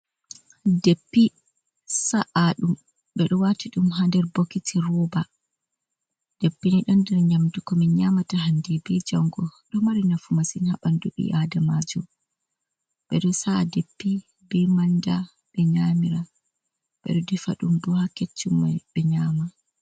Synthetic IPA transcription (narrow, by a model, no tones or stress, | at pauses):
depːi | saʔaɗum | ɓɛɗɔwatiɗumɦandɛɾbokːitʰiɾɔba | d̥epːiniɗɔndɛɾɲamdukɔminɲamataɦandɛbɛd͡ʒaŋɡɔɗɔmaɾinafumasinha̰ɓanduɗḭʔadamad͡ʒɔ | ɓɛ̰ɗɔsadepːi | bɛmanda | ɓɛɲamiɾa | ɓɛ̰ɗɔdɛfaɗumbɔhakːet͡ʃːumːa̰jɓɛɲaːma